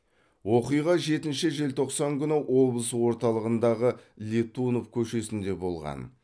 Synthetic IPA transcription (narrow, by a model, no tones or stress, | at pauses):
wo̞qijʁɑʒe̞t̪ɪnʃɪʒe̞lt̪ʰo̞qsɑŋkʲʰʏnɪwʔo̞blˠəswo̞ɾt̪ɑlˠəʁənd̪ɑʁəlʲet̪uno̞fkʲʰɵʃe̞sɪnd̪e̞bo̞lˠʁɑ̰n